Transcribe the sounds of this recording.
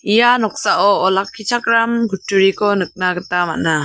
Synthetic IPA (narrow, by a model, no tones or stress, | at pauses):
ijanɔk̚saʔɔɔlakʰːit͡ʃʰak̚ɾamɡutːuɾikʰɔnɯk̚naɡət̪ama̰na